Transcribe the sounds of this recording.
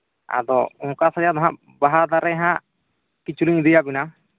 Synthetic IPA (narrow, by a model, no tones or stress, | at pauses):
a̰d̪ɔɔ̃ŋkasad͡ʒat̪ɔɦãʔ | baɦad̪aɾɛɦã | kit͡ʃuliɲd̪ijabina